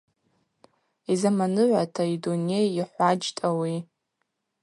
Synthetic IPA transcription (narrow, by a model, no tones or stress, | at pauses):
izamanɨʕʷatʰaidune̞jiħʷad͡ʒtʼawi